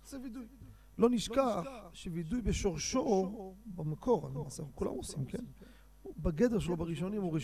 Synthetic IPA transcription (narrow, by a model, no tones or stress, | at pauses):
lo̞niʃkaχʃevidujbeʃoʁʃobamakʰo̞ʁa̰nemaseaukula̰mosimkḛn | baɡedeʁʃ̬elobaʁiʃo̞nimuʁi